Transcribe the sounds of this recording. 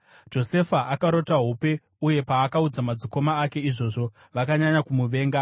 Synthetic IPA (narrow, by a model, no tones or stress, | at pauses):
d͡ʒo̞se̞faʔakaɾo̞taɦupe̞ | uje̞paːkaud͡zamad͡ziko̞maːke̞iʐo̞ʐo̞ | ʋakaɲaɲakumuʋe̞ːŋɡa